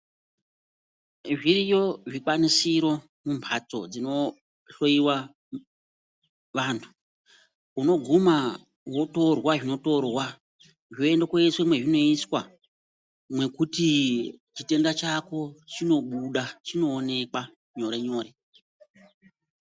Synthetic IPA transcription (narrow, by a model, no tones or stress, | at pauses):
ʐirijo̞ʐikwanisiɾo̞ | mumpʰat͡so̞̰d͡zino̞ | ɬo̞iwa | ʋantʰu̥ | uno̞ɡʱuma | wo̞to̞rwaʐino̞to̞rwa | ʐoendakeiswemwe̞ʐino̞iswa | mwe̞kutit͡ʃite̞ndat͡ʃako̞t͡ʃino̞ɓuɗat͡ʃino̞ːne̞ka | ɲo̞ɾe̞ɲo̞ːɾe̞